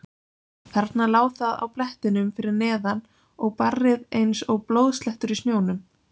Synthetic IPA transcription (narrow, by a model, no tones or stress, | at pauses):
θɛɾt̪nalaːwθaða̰wplɛht̪ɪnʏmfɪɾɪɾnɛːðan | ɔɣparːɪðejnsɔɣplowðst̪lɛht̪ʏɾɪsnjoːwnʏm